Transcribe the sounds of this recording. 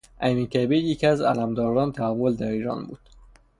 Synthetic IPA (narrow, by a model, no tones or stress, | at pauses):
ʔæmikʰæbijecʰiæzælæmd̪ɒːɾd̪ɒːnt̪ʰæævːold̪æɾiːɾɒ̰ːnbuːd̪̥